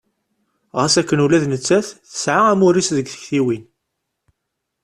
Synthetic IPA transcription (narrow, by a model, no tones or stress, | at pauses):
ʁasækːənulæðnət͡sːæθθə̥sʕaæmʊɾisðəɡθə̥çθiwin